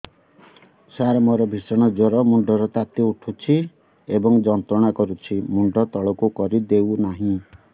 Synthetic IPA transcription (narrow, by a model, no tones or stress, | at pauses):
saɾɔmɔɾɔbʱisɔɽ̃ɔd͡ʒɔɾɔmuɳɖɔɾɔt̪at̪iuʈʰut͡ʃʰi | ebɔŋd͡ʒɔnt̪ɾɔɽ̃akɔɾut͡ʃʰimuɳɖɔt̪ɔɭɔkukɔɾid̪ewnaɦĩ